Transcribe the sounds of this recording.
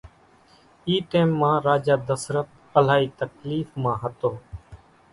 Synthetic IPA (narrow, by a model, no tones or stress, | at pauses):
iːʈeːmːãːɾaːd͡ʒaːd̪əsɾət̪ | əlaːiːt̪əkliːfmãːɦət̪oː